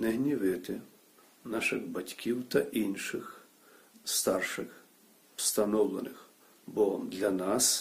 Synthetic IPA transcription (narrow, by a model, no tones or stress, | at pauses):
nɛɦnʲiʋɪt̪ɪ | nɑʃɪɣbɐtʲkʲiwt̪ɐʔinʃɪx | st̪ɑrʃɪx | st̪ɐnɔwlˠenɪx | bɔd̪lʲɐnɑs